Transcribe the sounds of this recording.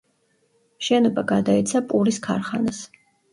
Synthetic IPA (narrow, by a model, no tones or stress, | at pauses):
mʃɛnɔbaɡad̪ait̪sʰapʼuɾiskʰaɾχanas